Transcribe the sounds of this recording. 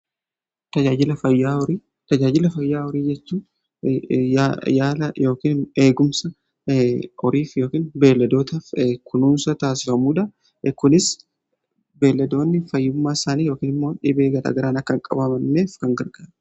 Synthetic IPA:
t̪ɐd͡ʒaːd͡ʒɪlɐfɐjːaːɔɾiː | t̪ɐd͡ʒaːd͡ʒɪlɐfɐjːaːɔɾiːd͡ʒɛt͡ʃːuː | ajaːlɐjo̞ːkiːne̞ːɡʊmsɐ | ɔɾiːfjo̞ːkiːnbe̞ːlːɐd̪o̞ːt̪ɐkʰʊnuːnsɐt̪aːsɪfɐmuːᶑɐ | kʊnɪs | be̞ːlːɐd̪o̞ːnːɪfɐjːʊmːaːɪsaːniːjoːkiːnɪmːo̞ːᶑɪbeːɡɐɾa̰ːɡɐɾaːnɐkːɐŋkʼɐ̰bɐbɐnːeːfkɐŋɡɐɾɡaːɾɐ

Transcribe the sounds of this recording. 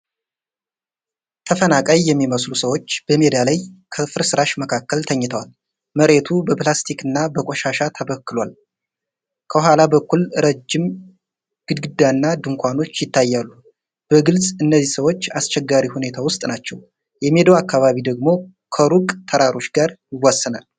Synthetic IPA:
t̪ʰəfənakʼajːɛmːiməslusəwot͡ʃːb̥əme̞d̪alajkʰəfɨɾsɨɾaʃməkʰakːəlt̪ʰəɲːɪt̪ʰəwal | məɾe̞t̪ʰubəplast̪ʰikɨnːabəkʼoʃaʃat̪ʰəβəkːɨlwal | kʰəɦʷalabəkːulɾəd͡ʒːɪm | ɡ̥ɨd̪ɡɨd̪ːanːad̪ɨŋkʰʷano̞t͡ʃːjɪt̪ʰːajːalːu | b̥əɡɨlsʼɨnːəzːisəwo̞t͡ʃːast͡ʃɛɡːaɾihune̞t̪ʰawʊst̪ʼnat͡ʃːɛw | jɛmed̪owakːaβaβid̪əɡmo̞ | kʰəɾukʼt̪ʰəɾaɾo̞t͡ʃɡaɾjɪwːasːɨnal

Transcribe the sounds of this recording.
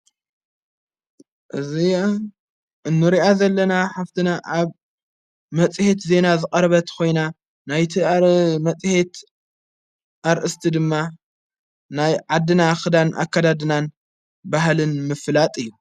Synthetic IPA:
ʔɨzi | ʔɨnːɨɾiʔazɐlːɐnaħaft̪ʰɨnaʔaβ | mɐt͡sʼhet̪ze̞nazɨkʼɐɾɐβɐt̪kʰo̞jna | najt̪ʰiamɐt͡sʼhe̞t̪ | ʔaɾʔɨst̪ʰid̪ɨmːa | najʕad̪ːɨnaxɨd̪anʔa̰kʰːad̪ad̪ɨnan | baɦlɨnmɨflat̪ʼɨjːu

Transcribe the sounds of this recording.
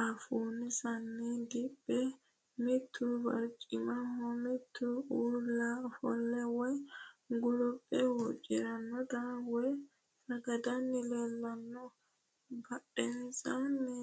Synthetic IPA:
ʔafunisanːɛd̪ibːɛ | mit̪ʰːuba̰ɾt͡ʃʼimahɔmit̪ʰːuulafɔ̰lːɛwɔjɡulɔpʼːɛwɔt͡ʃʼiɾanːɔd̪awɔj | ɾaɡadanːilɛlːanːɔ | baɗɛnsanɛ

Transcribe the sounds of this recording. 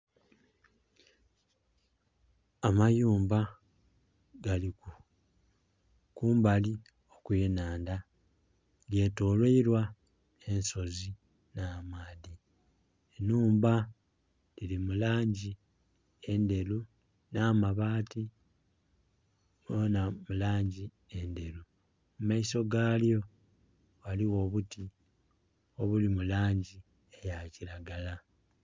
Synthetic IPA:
amajuːmba | ɡ̥aliku | kuːmbali | okwenaːnda | ɡe̞ːtoːlweiɾwa | e̞nso̞zi | naːmaːði | enuːmba | lilimulaːɲɟi | e̞nde̞lu | naːmaβaːti | onamulaːɲɟi | e̞nde̞ɾu | mumaiso̞ɡaːljo̞ | ɣaliwo̞ːβuti | oβulimulaːɲɟi | ejaciɾaɡala

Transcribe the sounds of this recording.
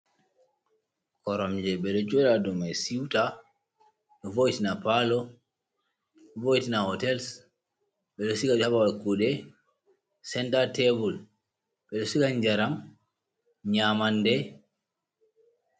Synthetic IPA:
kɔɾɔmd͡ʒɛɓɛɗɔd͡ʒɔɗadɔmajsiwta | ɗɔvojtinapalɔ | vojtinahɔtɛls | ɓɛɗɔsikaabawakuɗɛ | sɛntatebul | ɓɛɗɔsikaɲd͡ʒaɾam | ɲamandɛ

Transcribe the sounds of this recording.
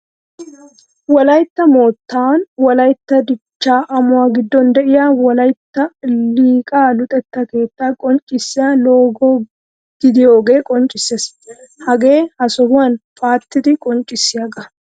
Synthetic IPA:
wɐlɐjt̪ːɐmo̞ːt̪ːaːnwɐlɐjt̪ːɐd̪ɪt͡ʃːaːʔɐmʊwaːɡɪd̪ːɔnd̪ɛʔɪjaːwɐlɐjt̪ːɐliːkʼaːlʊt̪ʼɛt̪ːɐke̞ːt̪ːaːkʼɔnt͡ʃʼɪsːɪjaːlo̞ːɡoː | ɡ̪̥ɪd̪ɪjo̞ːɡe̞ːkʼɔnt͡ʃʼɪsːes | hɐɡe̞ːhɐsɔbʊɐnfaːt̪ːɪt̪ɪkʼɔnt͡ʃʼɪsːɪɐɡɐ

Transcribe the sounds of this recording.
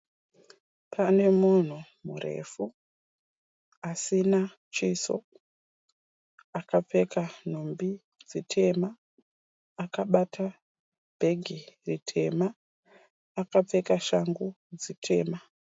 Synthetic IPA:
pʰane̞mun̤umure̞̰fu | asina | t͡ʃiso̰ | akap͡fe̞kan̤umbi | d͡zitʰe̞maː | kaɓatʰa | b̥ʱe̞ɡʱiritʰe̞̰maː | kap͡fe̞kaʃaŋɡu | d͡zitʰe̞̰ːma

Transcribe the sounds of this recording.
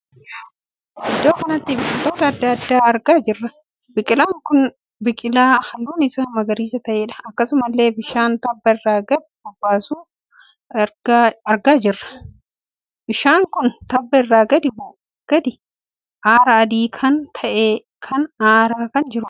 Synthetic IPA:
ɪd̪ːoːkɐnɐt̪ːɪbɪfʼɪt̪oːt̪ɐːd̪ːɐɐd̪ːaːɐɾɡaːd͡ʒɪrːɐ | bɪkʼɪlaːŋkʊn | bɪkʼɪlaːhɐlːuːnɪsɐnmɐɡɐɾiːsɐt̪ɐʔeːᶑɐ̥ɐkːɐsʊmɐlːe̞ːbɪʃaːnt̪ɐbːɐɪrːaːɡɐd̪bʊbːaːsuː | ɡɐɾɡaːd͡ʒɪrːɐ̥ | bɪʃaːŋkʊnt̪ɐbːɐɪrːaːɡɐd̪ɪb | ɡ̥ɐd̪ɪ | ʔaːɾɐːd̪iːkʰɐnt̪ʰɐʔeː | kʰɐnaːɾaːkɐnd͡ʒɪɾʊ

